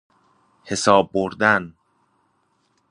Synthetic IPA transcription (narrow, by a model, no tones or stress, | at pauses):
he̞sɒːb̚ːoɾd̪æn